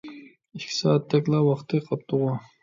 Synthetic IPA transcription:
iʃkʰʲi̥sɑːt̪ʰːɛkʲlˠɑwɑχt̪ʰɨqʰɑp̚t̪ʊʁɑ

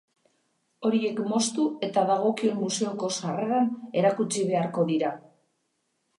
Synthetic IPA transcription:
o̞ɾie̞kmo̞st̪ue̞t̪aðaɣ̞o̞kie̞mːuse̞oko̞sareðane̞ɾakut͡siβ̞e̞aɾko̞ðiɾa

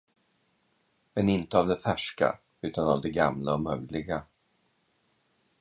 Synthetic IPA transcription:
mɛnɪnt̪əavd̪ɛfæʂka̰ | ʉ̟ːt̪anavd̪ɛɡamlaɔmœɡlɪɡa

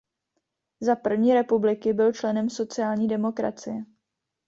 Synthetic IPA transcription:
zapr̩vɲiːɾɛpublɪkɪbɪlt͡ʃlɛnɛmso̞t͡sɪjaːlɲiːdɛmo̞kɾa̰t͡sɪjɛ

